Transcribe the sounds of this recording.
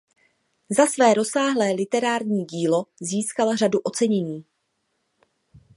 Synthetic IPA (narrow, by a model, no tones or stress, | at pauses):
zasvɛːɾo̞saːɦlɛːlɪt̪ɛɾaːɾɲiːɟiːlo̞ziːskalraduʔo̞t͡sɛɲɛɲiː